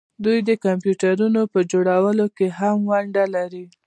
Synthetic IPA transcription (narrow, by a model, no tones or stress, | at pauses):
d̪ujd̪əkampjuʈaɾunopəd͡ʒoɽawəlokeɦamwaɳɖalaɾi